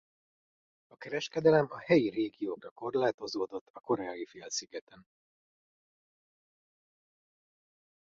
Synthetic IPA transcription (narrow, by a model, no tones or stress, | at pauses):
ɒkɛɾɛʃkɛd̪ɛlɛmɒhɛjireːɡijoːkrɒko̞rlaːt̪o̞zoːd̪o̞t̪ːɒko̞ɾɛajifeːlsiɡɛt̪ɛn